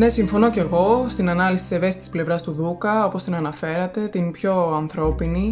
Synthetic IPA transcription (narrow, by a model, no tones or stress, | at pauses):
ne̞siɱfo̞no̞ce̞ɣo̞st̪inɐnɐlisit̪iseve̞si̥t̪i̥sple̞vɾɐst̪uðukɐo̞po̞st̪inɐnɐfe̞ɾɐt̪e̞t̪inpço̞ɐnθɾo̞pini